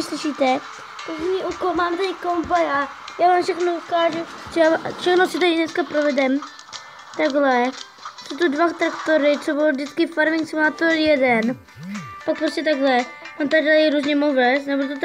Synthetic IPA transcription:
ɪslɪʃiːt̪ɛ | p̪azɲiʔukolmaːmt̪aɾɪkombajaa | jaːvaːmfʃɛxnoukaːʒu | t̪sobafʃɛxnosɪt̪aɾɪnɛskapɾovɛdɛm | t̪aɡlɛ | sot̪udvat̪ɾakt̪oɾɪt͡sobɪlovdɪt͡skɪfaɾmɪŋksmat̪ojɛdɛn | pak̚pɾoscɛt̪aɡlɛant̪adalɾuzɲɛmovɛsnɛboɾt̪ot̪

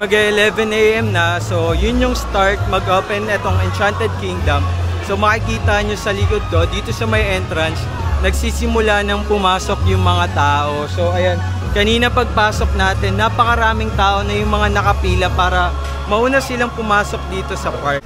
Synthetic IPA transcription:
mɐɡɐʔɛlɛvɛnʔejʔɛmnɐso̞jʊnjʊŋst̪aɹt̪̚mɐɡʔoːpɛnʔɛt̪o̞ŋɛnt͡ʃant̪ɛd̪̚kiŋd̪ɐmso̞mɐkɪkiːt̪aɲosɐlɪkod̪̚ːo̞d̪iːt̪o̞sɐmɐjʔɛnt̪ɾɐns | nɐɡ̚siːsɪmʊlanɐŋpʊmaːso̞k̚jʊŋmɐŋat̪aːʔo̞soʔɐjan | kɐniːnɐpɐɡ̚paːso̞k̚naːt̪ɛnːapɐkɐɾaːmɪŋt̪aːʔo̞nɐjʊŋmɐŋanɐkɐpiːlɐpaːɾɐ | mɐʔuːnɐsɪlaŋpʊmaːso̞k̚d̪iːt̪o̞sɐpaɹ̚

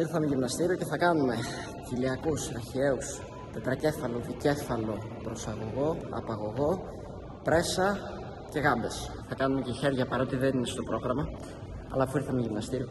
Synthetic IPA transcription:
iɾθɐmeʝimnɐst̪iɾioce̞θɐkɐnume̞ | ciliɐkusɐɾçie̞us | t̪e̞t̪ɾɐce̞fɐlo̞ðice̞fɐlo̞ | pɾo̞sɐɣo̞ɣo̞ɐ̰pɐɣo̞ɣo̞ | pɾe̞sɐ | ce̞ɣɐmbe̞sθɐkɐnume̞ceçe̞ɾʝɐpɐɾo̞t̪iðeninest̪o̞pɾo̞ɣɾɐmɐ | ɐ̰lɐfuiɾθɐmeʝimnɐst̪iɾio

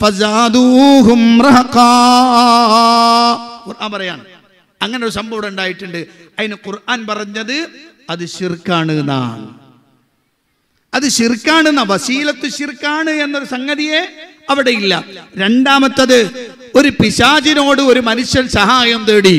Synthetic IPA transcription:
fɐzaːd̪uːɦumrɐɦɐqaː | kurʔaːnpɐrɐja̰ːɳ | ɐŋːɐneoɾusɐmbʱɐʋɐɽɐuɳɖaːjiʈːuɳɖɨ | ɐðinɨqurʔaːnpɐrɐɲːɐðɨ | ɐðɨɕirkːaːɳɨna̰ːn | ɐðɨɕirkːaːɳɨnːɐʋɐsiːlɐt̪ːɨɕirkːaːɳɨe̞nːɐðɨsɐŋɡɐðije̞ | ɐʋiɽejilːɐ̰ɾe̞ɳɖaːmɐt̪ːɐðɨ | o̞ɾupiɕaːd͡ʑino̞ːɽɨo̞ɾumɐnuɕjɐnsɐɦaːjɐmt̪eːɽi

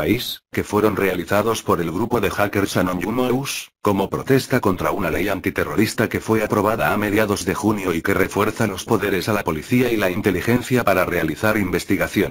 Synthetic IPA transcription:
paiske̞fwe̞ɾo̞nre̞aliθaðo̞spo̞ɾe̞lɣɾupo̞ðe̞xake̞ɾsanõɲunoewsko̞mo̞pɾo̞t̪e̞st̪akont̪ɾaunale̞jant̪it̪e̞ro̞ɾist̪ake̞fwe̞apɾo̞β̞aðaːme̞ðjaðo̞zðe̞xunjo̞ike̞re̞fwe̞ɾθalo̞spo̞ðe̞ɾe̞salapo̞liθiailaint̪e̞lixe̞nθjapaɾare̞aliθaɾimbe̞st̪iɣaθjo̞n

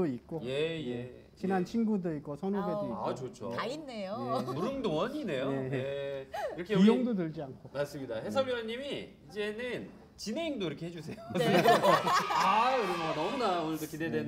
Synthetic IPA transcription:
oik͈oje̞je | t͡ɕinant͡ɕʰinɡudoik̚k͈osʰʌnobeoikkt͡ɕot͡ɕʰo̰ainːejojemuɾɯŋdoŋʌɲine̞jone̞ | iɾʌkʰeijoŋdodɯɭd͡ʑiankʰomaɭs͈ɯmɲidahe̞sʰʌbiɾʌnːimi | id͡ʑe̞nɯn | t͡ɕineiŋdoiɾʌkʰe̞ɦed͡ʑusʰe̞jo | aɯɾɯmanʌmunaonɯɭdokidedwen

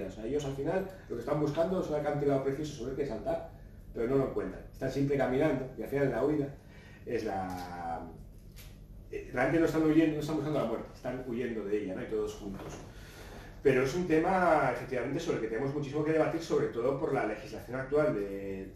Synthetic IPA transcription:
aoseae̞ʝo̞salfinalloke̞st̪ambuskand̪oesunakant̪iðaopɾeθjo̞sosoeɾkesalt̪aɾ | pe̞ɾo̞no̞loŋkwe̞nt̪ɾa̰est̪ansjempɾe̞kamĩnãnd̪o̞kealfinalːauiða | e̞zla | realent̪enost̪anuʝend̪onost̪ambukand̪olamweɾt̪e̥st̪anuʝe̞nd̪o̞ðe̞eʎano̞it̪o̞ð̞o̞sxunt̪o̞s | pe̞ɾo̞e̞sunt̪e̞mae̞fe̞k̚t̪iβament̪esoɾelke̞t̪enemo̞zmut͡ʃis̬imo̞ke̞ð̞e̞βat̪iɾso̞βɾe̞t̪o̞ð̞o̞po̞ɾlale̞xizlaθjo̞nak̚t̪uwald̪e̞

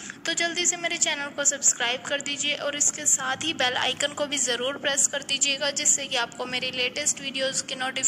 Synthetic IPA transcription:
t̪od͡ʒɐld̪isemeːɾet͡ʃɛːnəlkosɐbskɾaːɪbkɐɾd̪iːd͡ʒieʔɔːɾɪskesaːt̪ʰɦibɛːla̰ːɪkənkobʱizɐɾuːɾpɾeːskɐɾd̪iːd͡ʒieːɡad͡ʒɪsːekiaːp̚komeːɾeleːʈəsʈʋiːɖijoːzkɪnoːʈiː

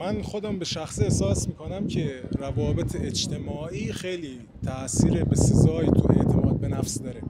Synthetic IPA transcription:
mænxod̪æmbeʃæxsiehsɒːsmiːkʰonæmcʰe̞ɾævɒːbe̞t̪ʰeed͡ʒt̪ʰe̞mɒːʔiːxejliː | t̪ʰæʔsiːɾebesezɒːjt̪ʰuʔe̞̰ʔt̪ʰemɒːd̪̚be̞næfsd̪ɒːɾe

